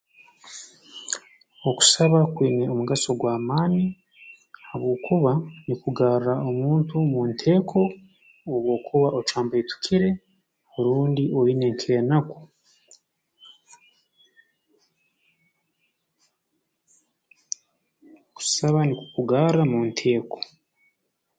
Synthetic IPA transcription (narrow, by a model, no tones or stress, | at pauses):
oku̥saβakwiːne̞omuɡaso̞ɡwaːmaːni | haβoːkʰuβanikuɡaːɾuɾao̞muːntumuːntʰe̞ːkʰo̞ː | βwo̞ːkʰuβaʔot͡ʃaːmbaitu̥kʰiɾe̞ | hoɾuːndiʔo̞ine̞ŋkʰiɾenako̥ | oku̥saβanikukuɡaːɾamuːntʰe̞ːko̞̥